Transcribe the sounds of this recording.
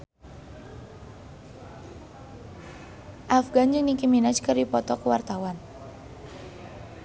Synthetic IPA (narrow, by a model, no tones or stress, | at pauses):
ʔafɡand͡ʒɨŋnikiminat͡ʃkɨərdipɔt̪ɔkuwart̪awan